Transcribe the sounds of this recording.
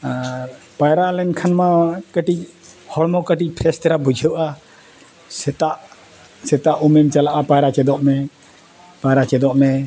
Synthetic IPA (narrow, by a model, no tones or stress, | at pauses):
aɾ | pajɾalɛnkʰanmakəʈic̚hɔɽmɔkəʈic̚pʰɾɛst̪ɛɾabud͡ʒʱəwʔa | sɛt̪aʔ | sɛt̪aʔumɛmt͡ʃalaʔapajɾat͡ʃɛd̪ɔʔmɛ | pajɾat͡ʃɛd̪ɔʔmɛ